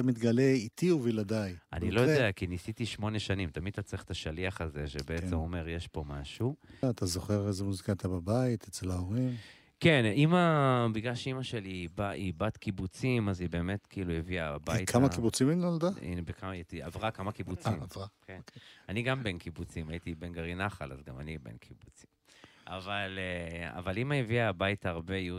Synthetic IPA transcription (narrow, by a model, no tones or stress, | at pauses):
tamit̪ɡaleit̪ʰiuvilad̪ajʔa̰nilojod̪eakinisit̪iʃmo̞ne̞ʃanimt̪amid̪̚t̪at͡sliχt̪aʃaliaχaze̞ʃebeet͡semome̞ʁjeʃpo̞maʃuat̪azoχe̞ʁezemuzikat̪ababait̪ʰet͡selaoʁim | ke̞nimabiɡlalʃeimaʃe̞libaʔibat̪kibut͡simazibe̞ːme̞tkiilujeviabajkʰamakibut͡siminnold̪aḭnbekʰamaitiavʁakamakibut͡simvʁakenaniɡambenkibut͡simajit̪ibenɡaʁinaχala̰zɡa̰ma̰nibḛnkʰibut͡simʔa̰valea̰valimaeviabaitaʁbeju